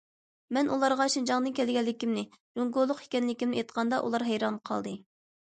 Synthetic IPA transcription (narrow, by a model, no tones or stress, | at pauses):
mɛnʔulˠɑɾʁɑʃind͡ʒɑŋnɨnkʲʰɛlɡʲɛlːɪkʲimnɪ | d͡ʒoŋɡolˠːʊqi̥kʲɛnlɪkʲimnɪet̪̚qʰɑnd̪ɑʔṵlˠɑɾɦɛjɾɑnqʰɑ̰lˠd̪ɨ